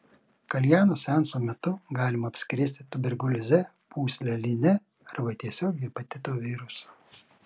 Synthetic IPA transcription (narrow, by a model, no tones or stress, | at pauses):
kɐlʲjæːnoːsʲɛnsoːmʲɛt̪ʊɡɑːlʲɪmɐɐpʲsʲkʲɾʲɪsʲt̪ʲɪt̪ʊbʲɛɾɡʊlʲɪzʲɛ | pʰuːsʲlʲɛlʲɪnʲɛ | ɐɾbɐt̪ʲiɛsʲoːɡʲɪɛpɐt̪ʲɪt̪oːʋʲiːɾʊso